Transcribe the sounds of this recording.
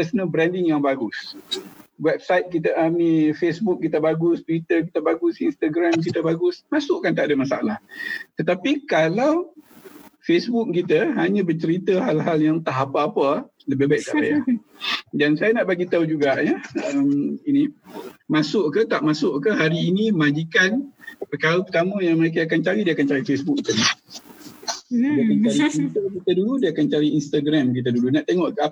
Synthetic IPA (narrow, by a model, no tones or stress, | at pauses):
pəsənəbɾɛndɪŋjaŋbaɡus | wɛb̚sajt̪̚kit̪əʔanifesbuk̚kit̪əbaɡust̪wit̪ərk̬it̪əbaɡusinst̪aɡɾamk̬it̪əbaɡʊsmasʊʔkant̪aʔdəmasaalaht̪ət̪apikalaw | fesbuk̚kit̪əɦaɲə̃bət͡ʃəɾit̪əɦalɦaljaŋt̪aʔapəːpə | ləbɪbaiʔ̚t̪a̰ʔbajʔa | dansajanaʔbaɡit̪aud͡ʒuɡaʔjəəminimasʊʔkət̪aʔmasʊʔkəɦaɾiːnimãd͡ʒikanpəkaɾəpət̪aməjaŋməɾek̬əakant͡ʃaɾidiəakant͡ʃaɾifesbuk̚kən | diakant͡ʃaɾimit̪əkit̪əduludiakant͡ʃaɾiinst̪aɡɾamk̬it̪̬ədulunaʔt̪eŋɔʔka